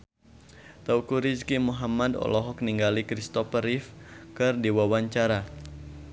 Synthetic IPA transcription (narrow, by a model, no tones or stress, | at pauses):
t̪aukuɾiskimuɦamadɔ̰lɔɦɔk̚niŋɡalikɾist̪ɔpəɾifkɨrdiwawaɲt͡ʃaɾa